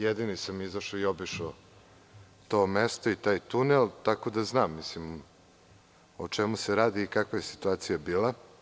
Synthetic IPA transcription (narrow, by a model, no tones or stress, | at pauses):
jed̪inisamizaʃoiobiʃo | t̪oːmest̪oit̪aːjt̪unelt̪ako̞d̪aznaːmːislim | ot͡ʂemuseɾaːd̪iːkakʋojesi̥t̪uaːt̪sijabiːla